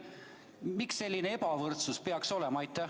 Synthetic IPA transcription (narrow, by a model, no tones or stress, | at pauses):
miksːe̞lʲːinee̞pɑvɤrt̪suspe̞ɑkso̞lɛmɑɑjt̪ˑːæ